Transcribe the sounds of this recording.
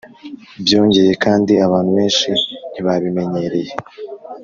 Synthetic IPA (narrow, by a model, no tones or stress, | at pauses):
bjo̞ːɲɟe̞je̞kaːndiaβaːn̥huβe̞ːnʃin̥iβaβime̞ɲe̞ɾe̞je